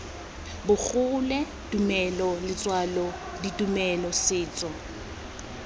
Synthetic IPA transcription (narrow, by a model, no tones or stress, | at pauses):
bʊk͡xʊlɛ | tʼumɛlɔlɪt͡sʼwalɔ | ditʼumɛlɔsɪːt͡sʼɔ